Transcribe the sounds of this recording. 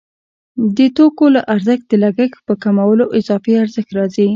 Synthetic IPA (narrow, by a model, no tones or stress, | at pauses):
d̪ət̪okolaʔaɾzəx̚d̪əlaɡəxpəkamawəloʔɪzɑfiaɾzəxt̪ɾɑzi